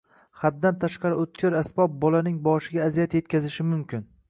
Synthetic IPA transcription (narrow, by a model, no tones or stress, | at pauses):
χad̪̚ːant̪ʰaʃqɑɾɪot̪̚kʲʰɪɾasbɒb̚bɒlanɪŋbɒʃɪɡʲaːzijat̪je̞t̪kʲʰazɪʃɪmʊmkʲɪn